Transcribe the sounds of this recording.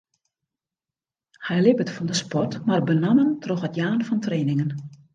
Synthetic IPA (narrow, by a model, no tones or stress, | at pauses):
hɛjlɪpətfɔndəspɔrtmarbənaməntroxətjaːnfɔntreːnɪŋən